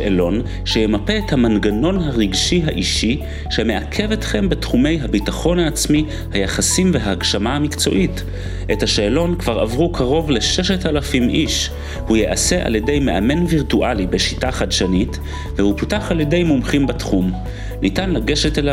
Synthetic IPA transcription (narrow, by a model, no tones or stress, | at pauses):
elo̞n | ʃejemape̞ːthamanɡano̞nɦaʁiɡʃiɦaʔiʃi | ʃeme̞ʔakʰe̞vetχe̞mbe̞tχume̞jɦabitaχo̞naːt͡smi | hajaχasimveɦaːɡʃamahamikt͡so̞̰ʔit | ʔethaʃeelo̞nkv̥aʁa̰vʁukʰaʁo̞vle̞ʃeʃatalafimʔiʃ | hujeʔase̞ʔa̰lje̞dejme̞ʔame̞nviʁtuʔalibeʃitaχadʃanit | vehupitaχalje̞de̞jmumχimbatχum | nitanlaɡe̞ʃetela